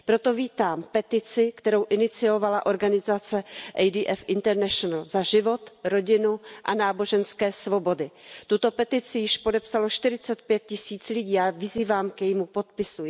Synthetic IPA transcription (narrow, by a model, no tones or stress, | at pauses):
pɾo̞t̪o̞viːt̪aːmpɛt̪ɪt͡sɪkt̪ɛɾo̞wʔɪnɪt͡sɪo̞valaʔo̞ɾɡanɪzat͡sɛʔɛjdiːʔɛfʔɪnt̪ɛɾnɛʃonalzaʒɪvo̞t̪ɾo̞ɟɪnuʔa̰naːbo̞ʒɛnskɛːsvo̞bo̞dɪt̪ut̪o̞pɛt̪ɪt͡sɪjɪʃpodɛpsaloʃt̪ɪɾɪt͡sɛt̪̚pjɛt̪̚cɪsiːt͡slɪɟiːavɪziːvaːmkɛjmupo̞t̪̚pɪsu